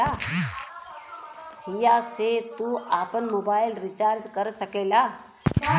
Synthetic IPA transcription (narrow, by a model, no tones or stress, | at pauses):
aː | ɦɪjaːset̪uaːpənmoːbaːɪlɾɪt͡ʃaːɾd̪kəɾsəkeːlaː